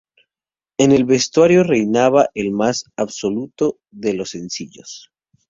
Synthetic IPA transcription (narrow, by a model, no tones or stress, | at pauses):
e̞ne̞lβe̞st̪waɾjo̞re̞jnaβaʔelmasaβso̞lut̪o̞ | ðe̞lo̞se̞nsiʝo̰s